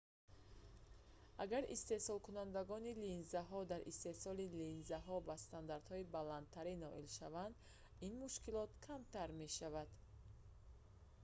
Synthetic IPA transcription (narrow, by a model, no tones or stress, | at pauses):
ʔaɡaɾḭst̪e̞sɔlkunand̪aɡɔnilinzaɦɔd̪aɾist̪e̞sɔlilinzaɦɔbast̪and̪aɾd̪hɔibalant̪̚ʰːaɾinɔʔilʃavand̪ | inmuʃkilɔt̪kʰamt̪ʰaɾme̞ʃavad̪̥